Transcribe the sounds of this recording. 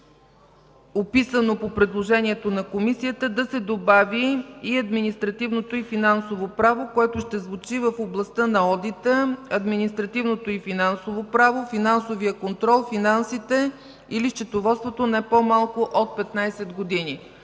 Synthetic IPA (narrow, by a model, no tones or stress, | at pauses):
opisənopopɾɛd̪lˠoʒɛniɛt̪onɐkomisijət̪əd̪ɐsɛd̪obaviːɐd̪minist̪ɾɐt̪ivnot̪oifinansovopɾavokoɛt̪ʊʃt̪ɛzvʊt͡ʃivəfoblˠɐst̪ənɐɔd̪it̪əɐd̪minist̪ɾɐt̪ivnot̪oifinansovopɾavofinansovijəkont̪ɾɔlˠfinansit̪ɛ | iliʃt͡ʃɛt̪ovɔt̪st̪vot̪onɛpomalˠkʊʔot̪̚pɛt̪najsɛd̪ɡod̪ini